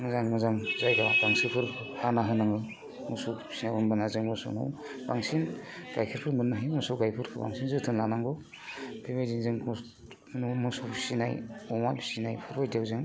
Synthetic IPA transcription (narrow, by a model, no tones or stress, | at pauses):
mɯzaŋmɯzaŋzajɡabaŋsɯpʰɯɾhanaɦɯnaŋɯ | musɔpʰi̥sinajunbanazɯŋmɯsṵno̰w | baŋsinɡ̥ajkʰɯɾpʰɯɾmɯnːɯɦɯjmusɔwɡajpʰɯɾkʰɯ̰ba̰ŋsinzɯtʰɯnlanaŋɡɯ | pʰebejziŋzɯŋk | numɯsɔpi̥sinajɔmajbʰi̥sinajpʰɯɾbajdiawzɯŋ